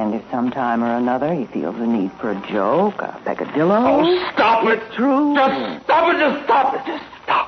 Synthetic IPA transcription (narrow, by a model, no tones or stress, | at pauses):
ɨ̃nɨfsʌ̃mtʰãɪ̃mə˞ɨnʌðə˞ifḭlˠzɨnid̥fə˞ɨd͡ʒoʊkə̰pʰɛ̰kɨ̰dɪlˠoʊstɑpɪtstʰɹ̥ud͡ʒʌstɑpɨd͡ʒʌstɑpɨɨsstɑ̥p